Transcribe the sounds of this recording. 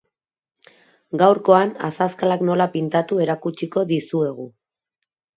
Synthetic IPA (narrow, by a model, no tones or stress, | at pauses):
ɡawɾko̞ana̰saskalakno̞lapint̪at̪ue̞ɾakut͡ʃiko̞ðisue̞ɣ̞u